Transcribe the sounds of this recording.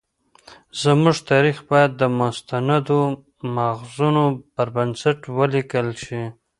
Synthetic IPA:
zəmuʐt̪ɑɾixbɑjad̪̚ːəmʊst̪anad̪o | maɣzunopəɾbansaʈwəlikəlʃi

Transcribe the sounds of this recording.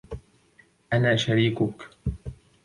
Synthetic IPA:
ʔanaːʃaɾiːkʊk

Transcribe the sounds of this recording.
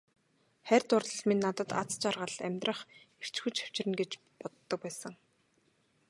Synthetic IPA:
χærʲt̪ʊrɮə̆ɮmenːat̪ə̆t̪a̰t͡st͡ɕarʁə̆ɮæmʲt̪rə̆χer̥t͡ɕxŭt͡ɕḁw̥t͡ɕrɘ̆nɡet͡ɕ | pɔt̪ːɞ̆k̚pæːsə̆ŋ

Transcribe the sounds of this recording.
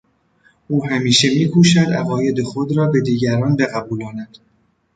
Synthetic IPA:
ʔuːɦæmiːʃe̞miːkʰuːʃæd̪æɣɒːje̞d̪e̞xo̞d̪ɾɒːbe̞d̪iːɟæɾɒːnbe̞ɣæbuːlɒːnæd̪̥

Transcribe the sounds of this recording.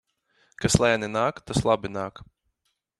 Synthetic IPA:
kaslˠajnɛnaːkt̪aslˠabɪnaːk

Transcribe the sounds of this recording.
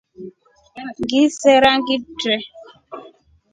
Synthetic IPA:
ŋɡisɛɾaŋɡitɾɛ

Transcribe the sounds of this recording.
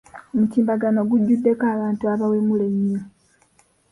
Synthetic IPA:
omutiːmbaɡano̞ɡuɟːudːe̞kaːβaːntuaβaweːmuleɲːo

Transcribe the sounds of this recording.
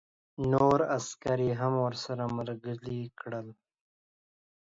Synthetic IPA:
noːɾaskaɾiɦamwəɾsaɾaməɾɡəlikɽəl

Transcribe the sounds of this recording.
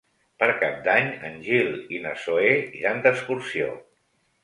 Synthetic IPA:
pəɾkap̚d̪aɲə̰nʲʒilinəsoeʒand̪əskuɾsio̰

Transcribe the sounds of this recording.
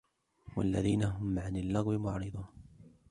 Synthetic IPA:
wa̰lːaðiːnaɦʊmʕanalːɑɣwɪmʊʕɾɨd̪ˤuːn

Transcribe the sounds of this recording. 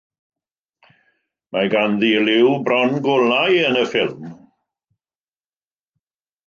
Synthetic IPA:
maɡanðilɪwbrɔnɡʊlajənəfɪlˠm

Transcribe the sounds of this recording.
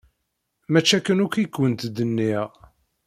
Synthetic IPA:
mæt͡ʃːækːənʊkʷikwənt̪d̪ənːiʁ

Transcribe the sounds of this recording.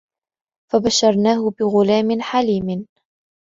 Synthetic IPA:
fabaʃːɑɾˤnaːɦʊbɪɣʊlaːmɪnħaliːmɪn

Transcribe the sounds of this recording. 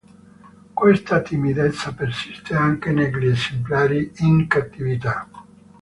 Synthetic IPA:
kwest̪at̪imid̪et̪sːapersist̪eaŋkenellesemplaːɾiiŋkat̪ːivit̪a

